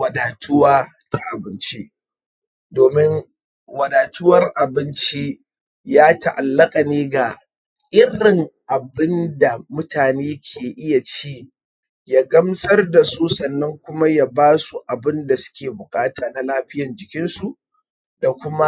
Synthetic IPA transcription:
wɐ˨daː˨tʰʊ˦waː˦ | ta˨ʔa˨bɪ˦nt͡ʃi˦ | doː˨mɪ˦ŋ | wɐ˨daː˨tʊ˦wɐ˦rʔa˨bɪ˦nt͡ʃi˦ | jaː˦ta˨ʔa˨lːɐ˦kʼa˨neː˦ɡa˨ | ʔɪ˦ɽɪ˨ŋʔa˨bɪ˦nda˨mʊ˦taː˨neː˦kʲʰeː˨ʔɪ˦ja˨t͡ʃiː˦ | jaː˦ɡɐ˦msɐ˦rda˨su˦sɐ˨nːɐ˦ŋkʷʊ˦ma˦ja˦baː˦su˨ʔa˨bɪ˦nda˨sʊ̥˦kʲeː˨bʊ˨kʼaː˦taː˨na˨laː˦ɸɪ˦jɐ˨nd͡ʒɪ˨kʲɪ˦nsu˨ʔ | da˨kʷʊ˦ma˦

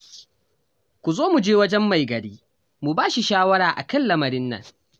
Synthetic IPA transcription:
kʷu˨zoː˦mu˨d͡ʒeː˦wɐ˦d͡ʒɛ˦mːa˨jɡɐ˨ɽiː˦ | mu˨baː˦ʃi˨ʃaː˦wɐ˦ɾaː˨ʔa̰˨kɐ˦nlɐ˦mɐ˨ɾɪ˦nːɐ̰˨ŋ

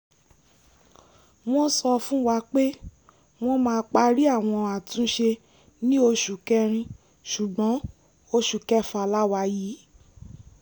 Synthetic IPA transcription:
w̃ɔ̃˦sɔ˧fũ˦wa˧k͡pe˦ | w̃ɔ̃˧mãː˧k͡pa˧ɾi˦a˦˨w̃ɔ̃˧a˨tũ˨˦ʃe˧ | nĩ˦o˧ʃu˨kɛ˧ɾ̃ĩ˧ | ʃu˨ɡ͡bɔ̃˨˦ | o˧ʃu˨kɛ˦fa˧˨la˦wa˧jiː˨˦

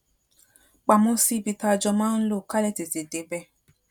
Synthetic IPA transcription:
k͡pa˨mõ˦si˦bi˧ta˧˨d͡ʒɔ˧mã˦n̩˦lo˦˨ka˦lɛ˦˨te˨ze˨de˨bɛ˦

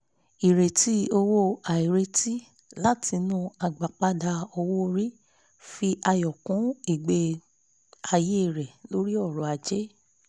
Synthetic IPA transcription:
i˨ɾe˨ti˨˦o˧wo˦a˨i˨ɾe˧˦ti˦ | la˦ti˧nũ˧a˨ɡ͡ba˨k͡pa˧da˧ɔ˧wo˦˧˦ɾi˦ | fi˧ʔa˧jɔ˨kũ˨˦i˨ɡ͡be˧ | a˧je˦i˦˨ɾɛ˨lo˦ɾi˦ɔ˦˨ɾɔ̃˨˦a˨˧d͡ʒe˦

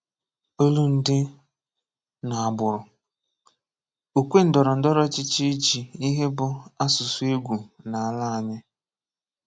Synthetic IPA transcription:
o˦lu˦n̩˨dɪ˦ | na˨a˨bʊ˨ɾʊ˨ | u˨kʷe˦n̩˨dɔ˨ɾɔ˨n̩˦dɔ˦ɾɔ˦t͡ʃɪ˦t͡ʃi˦d͡ʒi˨i˦ɦe˦bʊ˨a˦sʊ˨sʊ˦e˦ɡʷu˨na˨a˨la˦a˨ɲɪ˦

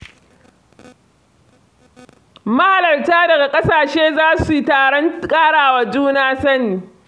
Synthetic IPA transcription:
ma˦ha˨lɐ˨rtaː˦dɐ˨ɡa˨kʼɐ˦saː˨ʃeː˦zaː˦su˨taː˨ɽɔ˦ŋkʼaː˦ɽaː˨waː˨d͡ʒuː˦naː˦sɐ˦nːiː˨

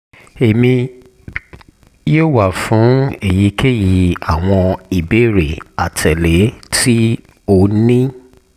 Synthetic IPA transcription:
e˨mĩ˧ | jo˦˨wa˨fũ˨˦e˨ji˨˦kʰe˦ji˨a˨w̃ɔ̃˧i˨be˨˦ɾe˨a˨tʰɛ˨le˨˦tʰi˦ | o˧nĩ˦

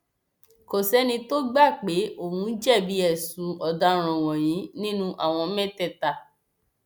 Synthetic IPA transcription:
ko˨sɛ˦nĩ˧to˦ɡ͡ba˦˨k͡pe˨˦o˦˨hũ˨˧˦d͡ʒɛ˦˨bi˨˦ɛ˦˨sũ˨˦ɔ˨da˧˦ɾ̃ɔ̃˨w̃ɔ̃˨j̃ĩ˨˦nĩ˦nũ˦ʔa̰˨w̃ɔ̃˧mɛ̃˦tɛ˦˨ta˨

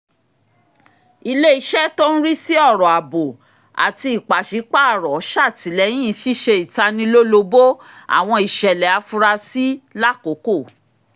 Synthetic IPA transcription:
i˧le˦i˧ʃɛ˦to˦n̩˦ɾi˦si˦ɔ˦˨ɾɔ˨a˨bo˨ | a̰˨ti˧i˨k͡pa˨ʃi˨˦k͡pa˦˨ɾɔ˨˦ʃa˦˨ti˨˦lɛ˨˦jĩ˦˨ʃi˦ʃe˧i˨ta˧nĩ˧lo˦lo˧bo˦a̰˨w̃ɔ̃˧i˨ʃɛ˨lɛ˨a˧fu˧ɾa˧si˦la˦ko˨˦ko˦˨

